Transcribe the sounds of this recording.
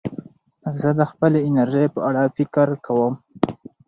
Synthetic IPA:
zəd̪əxpəleɪnaɾʒejpəaɽafɪkɾkawəm

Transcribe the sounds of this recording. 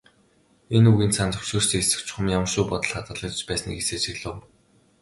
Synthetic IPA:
enuɣiːnsʰant͡sɔkʃuːr̥siːesɘ̆kt͡ɕχə̆mjamrʃʊːpɔt̪ɞ̆ɮχat̪ə̆ɮə̆t͡ɕt͡ɕpæːsnḭːkeseːt͡ɕĭɣɮʊː

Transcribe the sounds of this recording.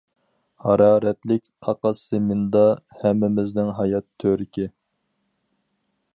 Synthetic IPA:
hɑɾɑːɾɛt̪lɪkʲqʰɑqɑsɪmɪnd̪ɑhɛmːɪmɪznɪŋɦɑjɑt̪ʰːøɾɪkʲɪ

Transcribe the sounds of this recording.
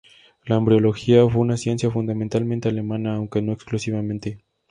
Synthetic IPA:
laːmbɾjo̞lo̞xiafweunasje̞nsjafund̪amẽnt̪almẽnt̪e̞ale̞mãnaːwŋke̞no̞eksklusiβamẽnt̪e̞

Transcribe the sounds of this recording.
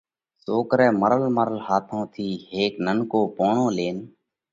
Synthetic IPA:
soːkɾɛːməɾəlməɾəlhaːt̪ʰõːt̪ʰiːɦeːknənkoːpoːɳõːleːn

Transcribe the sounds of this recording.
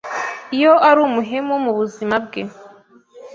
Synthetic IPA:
ijo̞ʔaɾuːmuɦemomuβuzimab̚ɡḛ

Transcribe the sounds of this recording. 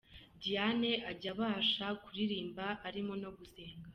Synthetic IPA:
dijane̞aɟaβaːʃakuɾiɾiːmbaʔːɾimo̞no̞ɡuzeːŋɡa

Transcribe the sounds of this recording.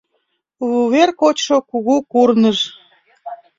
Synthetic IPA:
luβerkot͡ɕʃokuɣukurnəʃ

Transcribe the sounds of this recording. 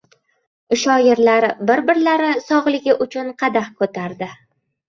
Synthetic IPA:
ɪʃɒjɪɾlaɾɪbɪɾbɪɾlaɾɪsɒʁlɪɡʲɪʔʊt͡ʃʰʊnqʰɑd̪ahkʰot̪ʰaɾd̪ɪ

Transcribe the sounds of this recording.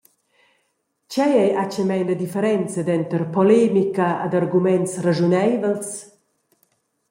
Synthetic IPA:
t͡ʃɛjɛjat͡ʃəmɛjnləd̪ifəɾɛnt͡səd̪ɛnt̪əɾpɔlɛmikaa̰d̪arɡumɛnt͡srazunɛjvəls

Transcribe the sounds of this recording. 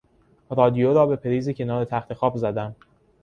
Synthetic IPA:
ɾɒːd̪ijoɾɒːbe̞pʰe̞ɾiːzecʰe̞nɒːɾe̞t̪ʰæxt̪ʰe̞xɒːbzæd̪æm

